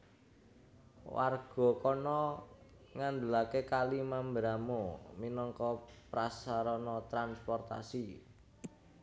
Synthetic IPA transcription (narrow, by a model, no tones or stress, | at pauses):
wa̰rɡ̥ɔ̤kɔnɔ | ŋand̪ulakekalimambɾamominɔŋkɔpɾasaɾɔnɔt̪ɾanspɔrt̪a̰si